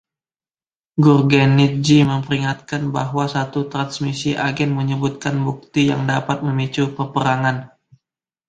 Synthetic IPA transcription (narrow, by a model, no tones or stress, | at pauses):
ɡʊrɡɛnit̪̚d͡ʒiməmpəɾiŋat̪̚kanbaɦwasat̪ut̪ɾansmisiʔaɡɛnməɲəbut̪̚kanbuk̚t̪ija̰ŋdapat̪̚məmit͡ʃupərpəɾaŋan